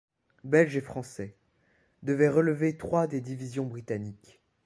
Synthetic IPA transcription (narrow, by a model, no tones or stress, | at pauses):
bɛlʒefχɑ̃sɛ | d̪əvɛʁələvet̪χwad̪ed̪ivizjɔ̃bʁit̪anik